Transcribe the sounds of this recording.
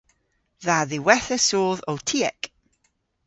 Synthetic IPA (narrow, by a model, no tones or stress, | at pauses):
ðaðɪwɛθəsoːðɔwtʰiɛk